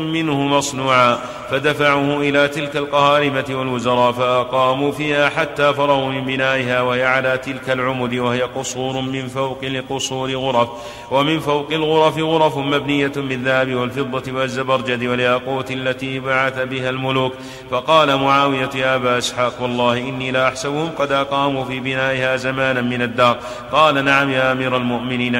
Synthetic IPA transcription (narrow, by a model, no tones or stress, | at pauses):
mɪnhʊmɑsˤnuːʕaː | fad̪afaʕuːhʊʔɪlaːt̪ɪlkalqɑhaːɾɪmat̪ɪwalwʊzɑɾˤɑːʔfaʔɑqɑːmufiːhaːħat̪ːaːfɑɾˤɑɣuːmɪmbɪnaːʔɪɦaːwahɪjaʕalaːt̪ɪlkalʕʊmʊd̪ɪwahɪjaqʊsˤuːɾʊmɪnfawqɪlɪqʊsˤuːɾɪɣʊɾˤɑf | wamɪnfawqɪlɣʊɾˤɑfɪɣʊɾˤɑfmabnɪjːamɪðːahabɪwalfɨd̪ˤːɑt̪ɪwazːabɑɾˤd͡ʒad̪ɪwaljaːquːt̪ʔalːat̪iːbaʕaθabɪɦalmʊluːk | fɑqɑːlamʊʕaːwɪjat̪jaːʔabaːʔɪsħaːqwɑlˤːɑːhɪʔɪnːiːlaʔaħsabʊhʊmqɑd̪ʔɑqɑːmufiːbɪnaːʔɪhaːzamaːnanmɪnad̪ːɑːɾˤ | qɑːlanaʕamjaːʔamiːɾalmʊʔmɪniːn